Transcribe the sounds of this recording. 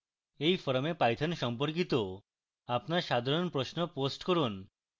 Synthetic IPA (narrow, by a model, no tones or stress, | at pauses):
ejfɔɾomepajt̪ʰanʃɔmpoɾk̬it̪o | apnaɾʃad̪ʱaɾonpɾosnoposʈkoɾun